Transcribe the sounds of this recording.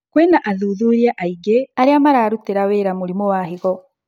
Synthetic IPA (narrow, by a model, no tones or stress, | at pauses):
kweːnaʔaðuðuːɾjaʔaiɡeaɾiamaɾaːɾuteɾaweːɾamuɾimowaɦiɣo